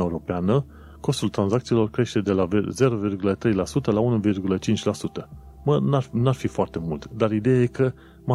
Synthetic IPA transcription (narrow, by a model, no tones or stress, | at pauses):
aeuɾo̞peanə | ko̞st̪ult̪ɾanzakt̪silo̞rkɾe̞ʃt̪e̞d̪e̞lavze̞ɾo̞virɡulət̪ɾe̞jlasut̪əlaunuvirɡulət͡ʃint͡ʃʲlasut̪əmənanuarfifoart̪e̞mult̪d̪aɾid̪e̞jaje̞kə | ma